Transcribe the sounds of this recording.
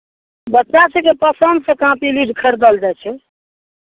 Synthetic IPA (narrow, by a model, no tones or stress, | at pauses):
bətːt͡ʃasẽkepəsənd̪sə̃kãpiliɖʱkʰəɾd̪əld͡ʒajt͡ʃʰɛ